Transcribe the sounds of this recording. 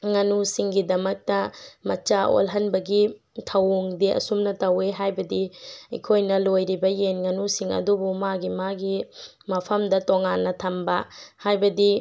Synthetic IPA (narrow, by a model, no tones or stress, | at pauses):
ŋɐnusiŋɡidɐmɐk̚tɐmɐt͡ʃao̰lɦɐnbɐɡi | tʰɐwuŋdiʔɐ̰sumnɐtɐweɦajbɐdiɐ̰jkʰojnɐlojɾibɐjenŋɐnusiŋɐ̰dubumaɡimaɡi | mɐpʰɐmdɐtoŋanːɐtʰɐmbɐhajbɐdi